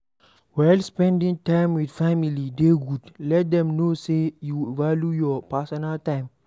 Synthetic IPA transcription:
wɛlspɛ̃ndĩŋtãjmwitfamilideɡudlɛt̚dɛ̃mnosejuvaljujɔpasɔnəltãj̃m

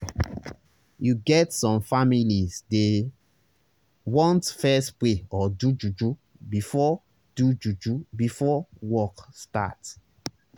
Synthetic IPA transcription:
juɡɛtsɔ̃mfamilisde | wɔ̃ntfɛspleɔdud͡ʒud͡ʒu | bifɔ | d̥ud͡ʒud͡ʒubifɔwɔksta̰t

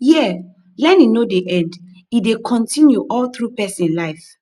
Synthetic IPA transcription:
jɛ | lɛninodeʔɛ̃nd | idekʰɔ̃ntĩnjuʔɔlθɹupɛsĩnlaɪf

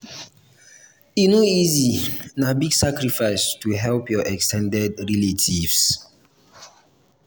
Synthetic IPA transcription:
inoizinabiɡsakɾifaɪstuɦɛlpjɔʔɛkstʰɛ̃ndɛdɹɛletʰivs

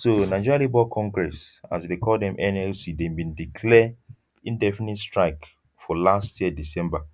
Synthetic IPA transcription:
sonaɪt͡ʃɔɹalibɔkʰɔ̃ŋɡɹɛsa̰sdekʰɔldɛ̃mʔɛ̃nɛlsidɛ̃bĩndikʰlɛ | ĩndɛfinitstɹaɪk | fɔlastjiɛdisɛ̃mba

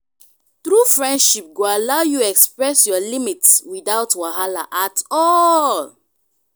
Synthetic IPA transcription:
tɹufɹɛ̃ndʃip̚ɡoalaʊjuɛkspɹɛsjɔlimitswidaʊtwaɦala̰ʔatʰɔl

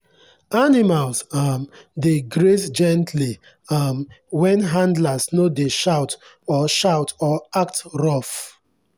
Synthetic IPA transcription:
animalsamdeɡɾesd͡ʒɛ̃ntʰli | ʌmwɛ̃nɦãndlasnodeʃaʊt | ɔʃaʊtɔak̚tɹɔf

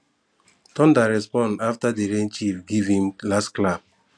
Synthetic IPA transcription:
tɔ̃ndaɾɛspɔ̃ndaftadiɾent͡ʃifɡivĩmlastklab̚

